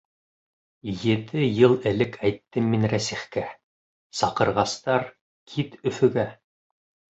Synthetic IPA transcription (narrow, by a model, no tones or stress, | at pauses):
jɘ̆t̪ɘjɤlˠɘ̆lɘkʰæjt̪ːɘmːinɾæsiχkæ | sɑqɤ̆ɾʁɑst̪ɑɾ | kʰit̪ɵ̆fɵ̆ɡæ